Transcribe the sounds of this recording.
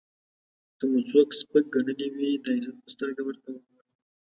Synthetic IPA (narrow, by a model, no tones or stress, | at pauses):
t̪əmuzokspək̚ɡaɳəliwid̪aɪzat̪̚pəst̪əɾɡawəɾt̪awəaɽi